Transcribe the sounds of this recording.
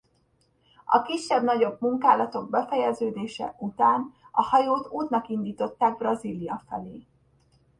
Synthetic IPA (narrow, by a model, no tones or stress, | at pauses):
ɒ̰kiʃːɛbnɒɟo̞bmuŋkaːlɒt̪o̞ɡ̚bɛfɛjɛzøːd̪eːʃɛ̰ʔut̪aːnɒhɒjoːt̪uːt̪nɒkind̪iːt̪o̞t̪ːaːɡ̚brɒzilijɒfɛleː